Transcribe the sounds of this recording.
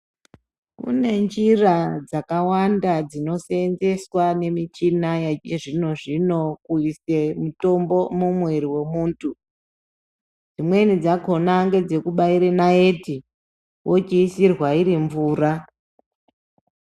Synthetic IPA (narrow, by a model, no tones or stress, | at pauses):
kṵne̞nd͡ʒirad͡zakawandad͡zino̞senze̞swane̞mit͡ʃinajaeʐino̞ʐino̞kuise̞muto̞mbo̞mumweɾiwe̞muːntʰu | d͡zimwe̞nid͡zako̞naŋɡe̞d͡ze̞kuɓaiɾenaeti | wʔo̞t͡ʃiːsirwaiɾiɱvuːra